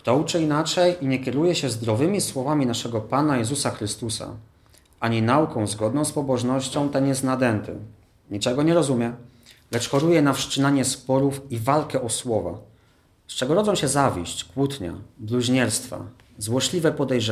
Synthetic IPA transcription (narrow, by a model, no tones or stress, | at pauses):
kt̪ɔut͡ʂɘinat͡ʂɛjiɲɛkʲɛɾujɛɕɛzd̪ɾɔvɘmʲiswɔvamʲinaʂɛɡɔpanajɛzusaxɾɘst̪usa̰ | aɲinaukɔ̃w̃zɡɔd̪̚nɔ̃w̃spɔbɔʐnɔɕt͡ɕɔ̃w̃t̪ɛnjɛst̪nad̪ɛnt̪ɘ̰ | ɲit͡ʂɛɡɔɲɛɾɔzumʲjɛ | lɛt͡ʂxɔɾujɛnafʂt͡ʂɘnaɲɛspɔɾufivalkɛʔɔswɔva̰ | st͡ʂɛɡɔɾɔd̪zɔ̃ɕɛzavʲiɕt͡ɕkwut̪ɲa̰bluʑɲɛɾst̪fa̰ | zwɔʂlʲivɛpɔd̪ɛjʐɛ